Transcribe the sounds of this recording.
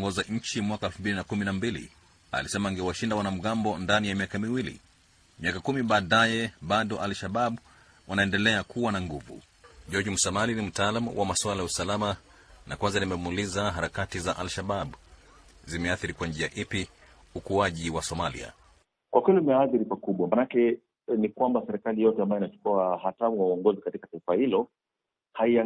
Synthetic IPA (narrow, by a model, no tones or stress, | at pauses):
ŋɡɔzaɲ̩t͡ʃimwakaɛlfumbilinakuminambilḭ | a̰lisɛmaːŋɡɛwaʃindawanam̩ɠambɔndanijamiakamiwilḭ | miakakumiɓaːɗajɛɓaɗɔʔalʃaɓaɓ | wanaɛndɛlɛakuwanaŋɡuvṵ | ʄɔd͡ʒmusamalinim̩taalamṵwʔamaswalajausalama | nakwanzanimɛmuulizaɦaɾakatizaʔalʃaɓaɓ | zimɛaθiɾikwand͡ʒiaʔipi | ukuaʄiwasɔmalḭa̰ | kwakwulimɛaθiɾipakuɓwamanakɛ | nikwambasɛɾɛkalijɔtɛambajɔinat͡ʃu̥kuahatamuwauɔŋɡɔzikatikataifahilɔ | haia